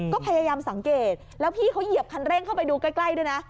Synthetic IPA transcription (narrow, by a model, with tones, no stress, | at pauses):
kɔː˥˩pʰa˧jaː˧jaː˧msa˨˩˦ŋkeː˨˩t̪̚lɛː˦˥wpʰiː˥˩kʰa˦˥wji˨˩əp̚kʰa˧nɾɛː˥˩ŋkʰa˥˩wpa˧jduː˧ka˥˩jkla˥˩jduː˥˩jna˦˥